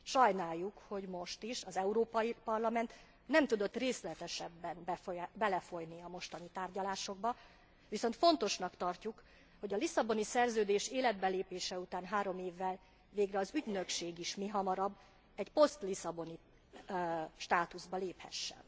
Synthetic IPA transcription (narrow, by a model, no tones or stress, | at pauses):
ʃɒjnaːjːukho̞ɟmo̞ʃt̪iʃɒzɛuɾoːpɒjipɒrlɒmɛnt̪ | nɛmt̪ud̪o̞t̪ːreːslɛt̪ɛʃɛbːɛnbɛbɛlɛfo̞jniɒmo̞ʃt̪ɒnit̪aːrɟɒlaːʃo̞ɡ̚bɒ | ʋiso̞nt̪fo̞n̪t̪o̞ʃnɒkt̪ɒrcuk | ho̞ɟɒlisɒbo̞nisɛrzøːd̪eːʃeːlɛd̪̚bɛleːpeːʃɛut̪aːnɦaːɾo̞meːvːɛl | veːɡrɛɒzyɟnø̞kʃeːɡiʃmiɦɒmɒɾɒbː | ɛcpo̞st̪lisɒbo̞ni | ʃt̪aːt̪uzbɒleːphɛ̰ʃːɛ̰n